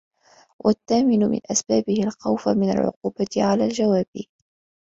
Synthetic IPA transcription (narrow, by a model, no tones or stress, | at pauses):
wʔat̪ːaːmɪnʊmɪ̰nʔasbaːbɪhɪlxawfamɪna̰lʕʊ̰quːbat̪ʕalaːld͡ʒawaːbɪ